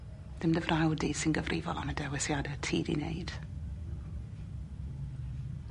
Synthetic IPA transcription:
ð̥ɪmdəvrʔawdiːsɪnɡəvrʔɪvɔlˠa̰mədɛwɛsjadətʰiːdḭnḛjd̥

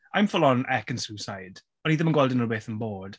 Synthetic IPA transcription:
ʔãɪ̃ɱfʊlə̃nʔɛkə̃nsuːsaɪd̥ | ə̃niːðəmə̃nɡwoʊlˠdə̃nə˞weθə̃nbɔːd̥

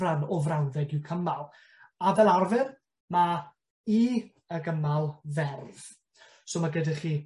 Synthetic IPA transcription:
anɔvrawðɛɡɪwkʰəmalˠ | avɛlˠarvɪr | ma | i | əɡəmalˠvɛrv̥ | soːmaɡədɪχiː

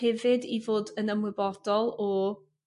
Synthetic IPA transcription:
ɛvɨdivoːdənəmwɨbɔdɔlˠɔ

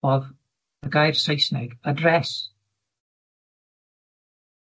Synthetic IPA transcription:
ɔv | ɡajrsejsnɛɡədrɛs

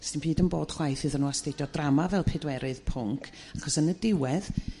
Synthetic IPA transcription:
sɪnb̥iːdənboːd̥χwajθɨðənuːastejdjɔdramavɛlˠpʰɪdwɛɾɨð̥pʰʊŋkʰ | aχɔsənədɪwɛð

